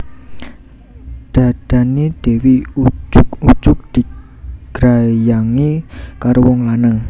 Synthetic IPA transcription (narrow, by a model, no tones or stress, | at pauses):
d̪̥a̤d̪̥ä̤ned̪̥e̤wiud͡ʒʊku̥d͡ʒʊk̚d̪̥i̤ | ɡ̥ɾajaŋikaɾowɔŋlanəŋ